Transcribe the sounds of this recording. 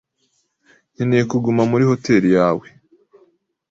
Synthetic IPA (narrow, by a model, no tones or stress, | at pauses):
ninikuɡumamuɾiho̞te̞ːɾijaːwe